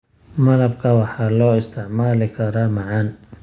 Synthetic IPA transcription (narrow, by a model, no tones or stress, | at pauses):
mɐlɐb̚kʰɐwɑħɑːlɔːɪst̪ʰɪʕmaːlɪkʰɐɾaːmɑʕɑn